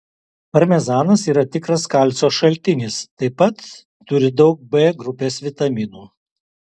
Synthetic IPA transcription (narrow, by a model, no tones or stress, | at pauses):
pɐɾʲmʲɛzɑːnɐsiːɾɐt̪ʲɪkɾɐskɐlʲt̪sʲoːʃɐlʲt̪ʲɪnʲɪst̪ɐɪpɐt̪ː | ʊɾʲɪd̪ɒʊk̚bɛːɡɾʊpʲeːsʋʲɪt̪ɐmʲɪːnuː